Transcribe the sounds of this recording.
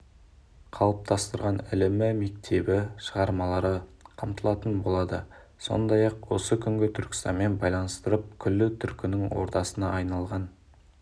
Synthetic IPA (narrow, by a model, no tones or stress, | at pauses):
qʰɑlˠəp̚t̪ʰɑst̪əɾʁɑnɪlɪmɪme̞k̚t̪ʰe̞bɪʃəʁɑɾmɑlˠɑɾəqʰɑmt̪əlˠɑt̪ənbo̞lˠɑd̪ə | so̞̰nd̪ɑjɑqwo̞̰səkʲʰʏŋɡʲɪt̪ʰʏɾkʲɪ̥st̪ɑ̰nme̞nbɑjlˠɑnəst̪əɾəp̚kʲʰʏlːɪt̪ʰʏɾkʲʰɪnɪŋwo̞̰ɾt̪ɑsənɑːjnɑlˠʁɑn